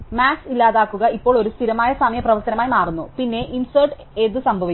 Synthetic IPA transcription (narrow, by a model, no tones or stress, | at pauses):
maːksilːaːðaːkːuɣɐipːo̞ːɭo̞ɾust̪ʰiɾɐmaːjɐsɐmjɐprɐʋɐrt̪ɐnɐmaːjmaːrunːupinːe̞ʔinsɐrʈ | ed̪ɨsɐmbʱɐʋi